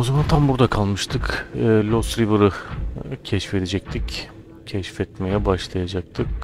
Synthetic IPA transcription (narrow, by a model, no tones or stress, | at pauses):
ozamant̪ʰambuɾd̪akʰalˠmɯʃt̪ʰɯkːlʲost̪ɾivɯɾɯcʰɛʃfe̞d̪ed͡ʒɛc̚t̪ʰic | cʰɛʃfɛt̪me̞jɛbaʃlˠajad͡ʒak̚t̪ʰɯk̚